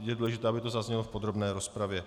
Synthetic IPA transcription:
jɛduːlɛʒɪt̪ɛːabɪt̪o̞zazɲɛlofpod̪ɾo̞bnɛːɾo̞spɾavjɛ

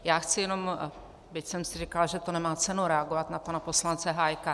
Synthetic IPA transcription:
jaːxt͡sɪjɛno̞m | bɪcsɛmsɪrikalʒɛt̪onɛmaːt͡sɛnuɾɛaɡo̞vat̪napanapo̞slant͡sɛɦaːjka

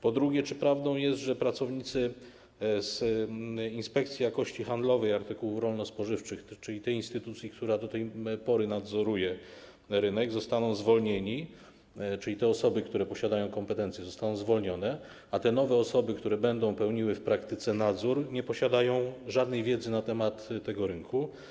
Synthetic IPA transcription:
pɔd̪ɾuɡʲjɛt͡ʂɘpɾavd̪ɔ̃w̃jɛst̪ʐɛpɾat̪sɔvɲit̪sɘ | z | inspɛk̚t̪sʲjijakɔɕt͡ɕixand̪lɔvɛjaɾt̪ɘkuwufɾɔlnɔspɔʐɘft͡ʂɘxt͡ʂɘlʲit̪ɛinst̪ɘt̪ut̪sʲjikt̪uɾad̪ɔt̪ɛjpɔɾɘnad̪zɔɾujɛ | ɾɘnɛɡzɔst̪anɔ̃w̃zvɔlɲeɲi | t͡ʂɘlʲit̪ɛɔsɔbɘkt̪uɾɛpɔɕad̪ajɔ̃w̃kɔmpɛt̪ɛnt̪sʲjɛzɔst̪anɔ̃w̃zvɔlɲɔnɛ | at̪ɛnɔvɛɔsɔbɘkt̪uɾɛbɛnd̪ɔ̃w̃pɛwɲiwɘfpɾakt̪ɘt̪sɛnad̪zuɾɲɛpɔɕad̪ajɔ̃w̃ʐad̪nɛjvʲjɛd̪zɘnat̪ɛmat̪ːɛɡɔɾɘŋkʰu

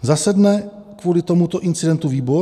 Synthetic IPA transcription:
zasɛdnɛkvuːlɪt̪omut̪o̞ʔɪnt͡sɪdɛnt̪uviːbo

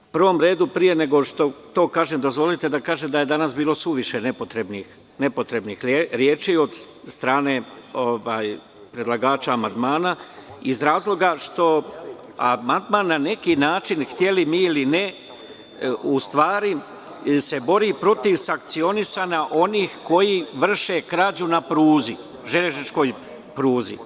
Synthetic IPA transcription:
pr̩ʋo̞mɾe̞ːd̪upɾije̞ne̞ɡo̞ʃt̪o̞t̪o̞ːkaːʒemd̪o̞zʋo̞lit̪e̞d̪akaːʒemd̪aje̞d̪anasbiːlo̞suʋiʃene̞pot̪ɾe̞bnix | ne̞po̞t̪ɾe̞bnixɾjeːt͡ʃio̞d̪st̪ɾaːne̞o̞ʋaːj | pɾe̞d̪lˠaɡaːt͡ʃaːmand̪maːnaizɾaːzlˠo̞ɡaʃt̪o̞ | amand̪manːane̞kinaːt͡ʃinxt̪je̞limiiline | ust̪ʋaːɾi | se̞bo̞ɾipɾo̞t̪iʋsaŋk̚t̪sio̞nisaːnaʔo̞niːxko̞jiʋr̩ʃe̞kɾad͡ʑunapɾuːzi | ʒeʎeʒnit͡ʃko̞ːj | pɾuːzḭ

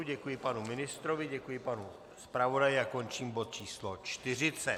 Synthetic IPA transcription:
ɟɛkujɪpanumɪnɪst̪ɾovɪɟɛkujɪpanu | spɾavo̞dajɪako̞nt͡ʃiːmbo̞t̪̚t͡ʃiːslo̞t͡ʃt̪ɪr̝ɪt͡sɛ

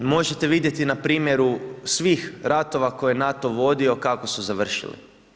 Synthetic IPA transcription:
mo̞ʒe̞t̪e̞ʋid̪je̞t̪inapɾiːmje̞ɾusʋiːxɾat̪o̞ʋakojenat̪o̞ʋo̞d̪io̞kako̞suzaʋr̩ʃḭlḭ

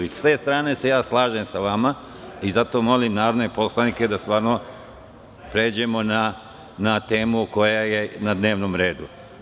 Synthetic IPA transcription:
iste̞st̪ɾaːne̞se̞jaːslˠaːʒemsaʋama | izat̪o̞mo̞limnaːɾo̞d̪ne̞po̞slˠanike̞d̪ast̪ʋaːɾno | pɾe̞ːd͡ʑe̞mo̞na | nat̪eːmuko̞jaje̞nad̪ne̞ːʋnomɾe̞ːd̪u

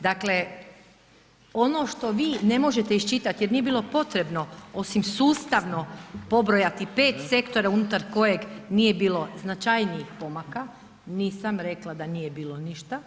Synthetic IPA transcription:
d̪akle̞ | o̞no̞ʃt̪o̞ʋiːne̞mo̞ʒe̞t̪eiʃt͡ʃit̪at̪jeɾnije̞biːlˠo̞po̞t̪ɾe̞bno̞o̞simsuːst̪aʋno̞po̞bɾojat̪ipe̞ːt̪se̞kt̪o̞ɾaunut̪aɾko̞je̞ɡnije̞biːlo̞znat͡ʃajnijixpo̞maka | niːsamɾe̞klˠad̪aniːjebiːlo̞niʃt̪a

